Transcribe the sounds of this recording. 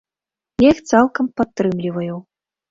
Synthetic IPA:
jixt̪salˠkɐmpat̪ːɾɨmlʲivɐjuw

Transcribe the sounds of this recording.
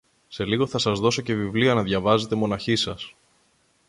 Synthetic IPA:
se̞liɣo̞θɐsɐzðo̞so̞ce̞vivliɐnɐðʝɐvɐze̞t̪e̞mo̞nɐçisɐs

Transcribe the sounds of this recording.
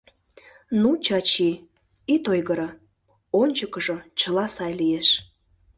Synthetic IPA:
nut͡ɕɑt͡ɕi | it̪ojɣəɾə | onʲt͡ɕəkəʒot͡ɕəlɑsɑjlijeʃ

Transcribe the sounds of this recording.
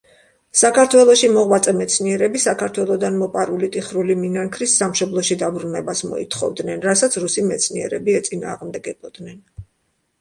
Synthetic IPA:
sakaɾt̪ʰwɛlˠɔʃimɔʁwat̪sʼɛmɛt̪sʰniɛɾɛbisakʰaɾt̪ʰwɛlˠɔd̪anmɔpʼaɾulit̪ʼiχɾuliminaŋkʰɾisːamʃɔblˠɔʃid̪abɾunɛbasmɔ̰ḭt̪ʰχɔ̰vd̪nɛnɾasat̪sʰɾusimɛt̪sʰniɛɾɛbiɛt̪sʼina̰ːʁmd̪ɛɡɛbɔd̪nɛn

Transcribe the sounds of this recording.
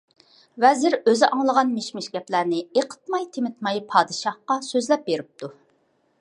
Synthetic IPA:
wɛzɪɾøzɪʔɑŋlˠəʁɑnmeʃmɪʃɡʲɛplæɾnɪeqʰə̥t̪̚mɑjt̪ʰemɪt̪mɑjpʰɑːd̪ɨʃɑhqɑsøzlɛp̚beɾyp̚t̪ʰu

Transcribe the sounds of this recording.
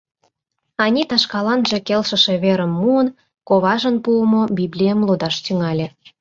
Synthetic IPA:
ɑnʲit̪ɑʃkɑlɑnʒĕkelʃə̆ʃĕβeɾə̆mːuən | koβɑʒə̆npuəmobiblʲijə̆mlod̪ɑʃt̪yŋɑlʲĕ

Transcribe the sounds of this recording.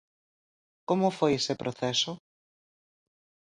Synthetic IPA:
komʊfojesepɾʔoθɛso

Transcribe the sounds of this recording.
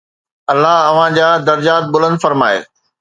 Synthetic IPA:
ɐlːaɦɐʋ̤ãd͡ʑaːd̪ɐɾd͡ʑaːt̪̚bʊlə̃nd̪fɐɾmaːḛː

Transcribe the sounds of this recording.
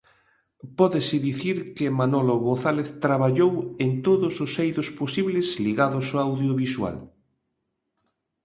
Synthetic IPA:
pɔðɪsɪðiθiɾkemanoloɣõnθaleθt̪ɾaβaʎowent̪oðʊsosejðʊsposiβlɪsliɣaðʊsoawðjoβiswa̰l

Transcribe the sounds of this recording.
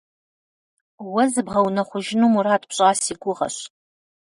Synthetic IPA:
wɐzɨbʁɐwnɐχʷʊʒɪnumuraːtʼpɕʼaːsiːɡʷʊʁɐ̰ɕ

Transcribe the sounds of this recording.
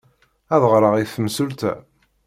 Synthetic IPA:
æðəʁɾˤəʁiθːəmsult̪æ̰

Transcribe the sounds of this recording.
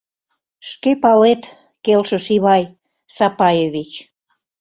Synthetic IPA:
ʃkepɑlet̪ | kelʃə̆ʃiβɑj | sɑpɑjeβit͡ɕ

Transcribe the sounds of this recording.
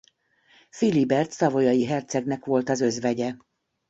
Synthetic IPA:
filibɛrt̪sɒvo̞jɒjiɦɛrt̪sɛɡnɛkʋo̞lt̪ɒzø̞zvɛɟɛ

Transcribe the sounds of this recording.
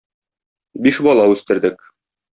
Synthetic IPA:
biʃbɒlˠɑʉst̪ɘ̆ɾd̪ɘk

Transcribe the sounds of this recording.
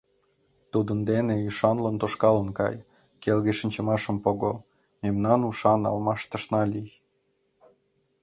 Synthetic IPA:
t̪ud̪ənd̪eneyʃɑnlənt̪oʃkɑlənkɑ̰j | kelɣeʃənʲt͡ɕə̆mɑʃə̆mpoɣo | memnɑnuʃɑnɑ̰lmɑʃt̪ə̆ʃnɑlʲij

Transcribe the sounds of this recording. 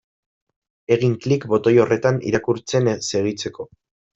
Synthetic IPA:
e̞ɣ̞iŋklikbo̞t̪o̞jo̞re̞t̪anḭɾakuɾt͡se̞nse̞ɣ̞it͡se̞ko̞

